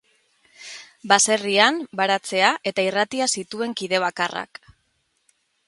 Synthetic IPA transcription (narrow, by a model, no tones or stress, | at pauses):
base̞riambaɾat͡se̞aʔe̞t̪airat̪iasit̪ue̞ŋkiðe̞β̞akara̰k